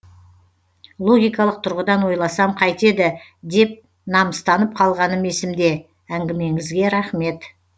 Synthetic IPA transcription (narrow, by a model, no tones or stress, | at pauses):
lˠo̞ɡʲijkɑlˠəq̚t̪ʰʊɾʁəd̪ɑnwo̞jlˠɑsɑmqʰɑjt̪e̞d̪ɪ | d̪e̞p̚ | nɑməst̪ɑnəp̚qʰɑlˠʁɑnəme̞sɪmd̪e̞ | æŋɡʲɪme̞ŋɪzɡʲe̞ɾɑχme̞t̪